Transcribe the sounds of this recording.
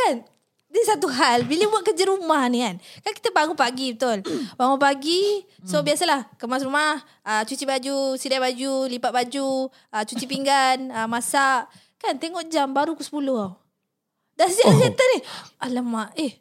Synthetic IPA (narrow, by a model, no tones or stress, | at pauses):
kan | disat̪uɦalbiləbuaʔkəd͡ʒəɾumahniankanki̥t̪əpaŋupaɡibət̪olpaŋupaɡi | sobiasalahkəmas̬ɾumah | ət͡ʃut͡ʃibad͡ʒusidabad͡ʒulipaʔ̪̚bad͡ʒu | ət͡ʃut͡ʃipiŋɡanəmasaʔ | kant̪eŋɔʔd͡ʒambaɾukusə̥pulʊhɦaw | dansəsasiat̪anialəmaʔeh